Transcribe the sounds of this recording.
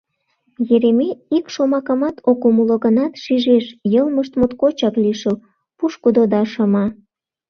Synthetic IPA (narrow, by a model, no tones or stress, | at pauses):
jeɾemeikʃomɑkɑmɑt̪okomuloɣənɑt̪ʃiʒeʃjəlməʃt̪mot̪kot͡ɕɑkliʃəl | puʃkud̪od̪ɑʃɑmɑ